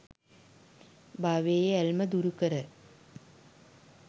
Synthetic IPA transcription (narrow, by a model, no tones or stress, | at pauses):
bʱɐʋeːjeɐlmɐd̪uɾukːɐɾɐ